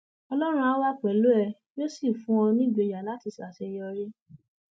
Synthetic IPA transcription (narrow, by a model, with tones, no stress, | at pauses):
ɔ˧lɔ˦ɾ̃ũ˧a˦wa˦k͡pɛ˨lo˨˦ɛ˧ | jo˦si˦˨fũ˦ɔ̃˧nĩ˦ɡ͡be˨˧˨ja˨la˨˦ti˧˨sa˨se˧jɔ˧ɾe˦